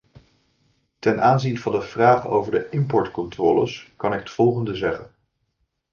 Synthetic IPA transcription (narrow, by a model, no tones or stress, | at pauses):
tɛnʔaːnzinvɑndəv̥raːχəno̰wvəɹdəʔɪmpɔɹtkɔntrɔːlə̰skɑnɪkə̥tfɔlˠχəndəzɛχən